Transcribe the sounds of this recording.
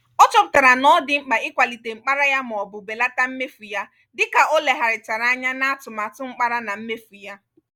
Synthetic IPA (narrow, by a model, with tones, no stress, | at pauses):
ɔ˦t͡ʃɔ˦pʊ̥˨ta˨ɾa˨nɔ˦dɪ˦ŋ͡m̩˦k͡pa˨ɪ˦kʷa˨li˨te˨ŋ͡m̩˨k͡pa˦ɾa˦ja˦m˨ɔ˨bʊ˨be˨la˦ta˦m̩˦me˦fu˨ja˦ | dɪ˦ka˨o˦le˨ɦa˨ɾɪ˨t͡ʃa˨ɾa˦a˦ɲa˦na˦a˦tʊ˨ma˨tʊ˦ŋ͡m̩˦k͡pa˦ɾa˦na˨m̩˦me˦fu˨ja˦